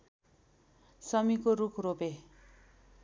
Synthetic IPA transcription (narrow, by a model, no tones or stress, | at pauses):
sʌmikoɾukʰrope